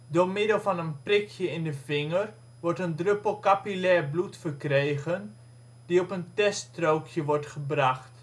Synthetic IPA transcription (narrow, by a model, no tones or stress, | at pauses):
dʊɹmɪdəlˠvɑnənprɪkʰjəɪndəvɪŋər | ʋɔɹtəndrøpəl̩ˠkapilɛrblutfərkrejɣən | d̥iɔpəntɛstrowkʰjəʋɔɹtχəbrɑxt